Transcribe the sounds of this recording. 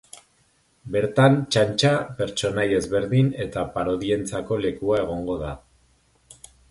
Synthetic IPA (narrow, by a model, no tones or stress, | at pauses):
be̞ɾt̪ant͡ʃant͡ʃape̞ɾt͡ʃo̞naje̞zβe̞ɾðine̞t̪apaɾo̞ðie̞nt͡sako̞le̞kuae̞ɣ̞o̞ŋɡo̞ða